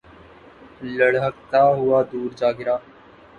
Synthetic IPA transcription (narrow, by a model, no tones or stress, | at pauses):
ləɽ̤ɦəkt̪aːɦʊaːd̪uːɾd͡ʒaːɡɪɾaː